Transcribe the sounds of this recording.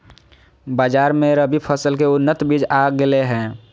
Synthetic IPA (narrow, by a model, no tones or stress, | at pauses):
baːd͡ʒaːɾmẽɾəbipʰəsəlkeʊnːət̪bid͡ʒaɡɪleɦɛ̃ː